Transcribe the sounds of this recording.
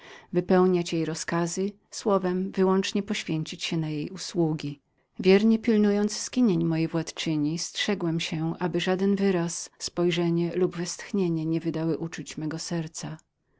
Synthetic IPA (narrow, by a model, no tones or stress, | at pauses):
vɘpɛwɲat͡ɕjejɾɔskazɘ | swɔvɛmvɘwɔnt͡ʂɲɛpɔɕfʲjeɲt͡ɕit͡ɕɕɛnajejuswuɡʲi | vʲjɛɾɲɛpʲilnujɔnt̪sskʲiɲeɲmɔjejvwat̪t͡ʂɘɲistʂɛɡwɛmɕɛʔabɘʐad̪ɛnvɘɾasːpɔjʐɛɲɛlubvɛst̪xɲeɲɛɲɛvɘd̪awɘʔut͡ʂut͡ɕmɛɡɔsɛɾt̪sa